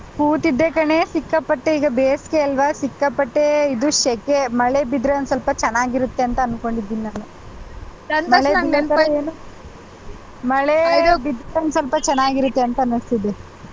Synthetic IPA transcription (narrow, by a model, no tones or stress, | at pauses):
puːt̪id̪ːekɐɳe̞sikːɐpːɐʈːeiːɡɐbeːskeɐlʋɐsikːɐpːɐʈːeid̪uʃɛkemɐɭebid̪ɾɐɐnsɐlpɐt͡ʃɛnːaːɡiɾut̪ːe̞ɐnt̪ɐːnko̞ɳɖid̪ːininaːnu | ɐnmɐɭeiɐnt̪ɐeːnu | mɐɭebid̪ɾɐnsɐlpɐt͡ʃɛnːaːɡiɾut̪ːe̞ɐnt̪ɐːnɐst̪id̪e